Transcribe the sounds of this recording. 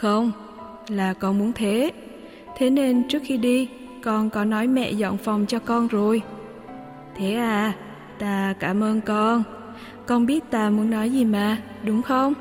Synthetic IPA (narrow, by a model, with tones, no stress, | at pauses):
xə˧wŋ͡m | laː˨˩kɔ˧nmu˨˦ənt̪ʰe˨˦ | t̪ʰe˨˦ne˧nt͡ɕɨ˦˥ək̚xi˧ɗi˧ | kɔ˧nkɔ˨˦nɔ˨˦jmɛ̰˧˨zɔ̰˧˨ŋ͡mfa˨˩wŋ͡mt͡ɕɔ˧kɔ˧nzo˨˩j | t̪ʰe˨˦ʔaː˨˩ | t̪aː˧kaː˧˩mʔəː˧nkɔ˧n | kɔ˧nɓi˦˥ət̚t̪aː˧mu˨˦ənːɔ˨˦jzi˨˩maː˨˩ | ɗʊ˨˦wŋ͡mxə˧wŋ͡m